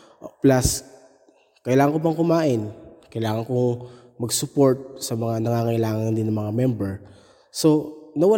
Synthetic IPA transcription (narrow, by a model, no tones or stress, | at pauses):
ʔplas | kɐjlaːŋɐŋkopɐŋkʊmaːʔɪnkɐjlaːŋɐŋkoŋ | mɐɡsʊpo̞ɹt̪̚sɐmɐŋanɐŋaːŋɐɪlaːŋɐŋd̪ɪnɐmɐŋamɛmbɛɹ | so̞nɐwɐ